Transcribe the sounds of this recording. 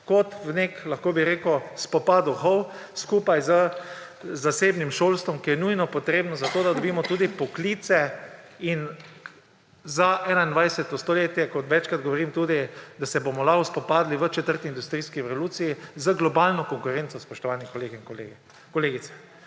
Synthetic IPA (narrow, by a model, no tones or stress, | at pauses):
kɔt̪wneklaxkoːbiɾeːkʊspɔpaːd̪uxɔw | skuːpajzə | zaseːbnimʃolst̪ʋɔmkijɛnujnɔpɔt̪ɾeːbnɔzat̪oːd̪ad̪ɔbiːmɔt̪uːd̪ipɔkliːt̪sɛ | in | zaʔɛːnaind̪ʋajsɛt̪ːɔst̪oleːt̪jɛkɔt̪ʋɛt͡ʃkɾad̪ɡɔʋɔɾiːmt̪uːd̪id̪asɛbomɔlaɦɔspɔpaːd̪liʋət͡ʃɛt̪əɾt̪iind̪ust̪ɾiːskiɛsoluːt̪sijizəɡlɔbaːlnɔkɔŋkʊɾent̪sɔspɔʃt̪ɔʋaːnikleɡ | kɔleːɡit̪ɛ̥